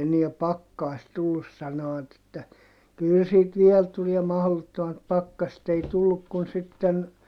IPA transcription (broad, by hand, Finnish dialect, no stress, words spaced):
eniæ pɑkːɑist tulːus sɑnoʋ̆ɑt etːæ kyl sit ʋiel tuliɛ mɑhlotːomɑt pɑkːɑset ei tulːuk kun sitːen